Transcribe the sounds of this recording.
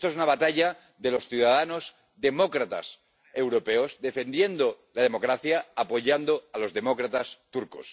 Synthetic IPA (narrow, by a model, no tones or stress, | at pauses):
t̪oesunaβ̞at̪aʎa | ðe̞lo̞sθjuðaðano̞z | ðe̞mo̞kɾat̪a̰s | e̞wɾo̞pe̞ozðe̞fe̞nd̪je̞nd̪o̞ | lað̞e̞mo̞kɾaθjaːpo̞ʎand̪o̞alo̞zðe̞mo̞kɾat̪ast̪uɾkos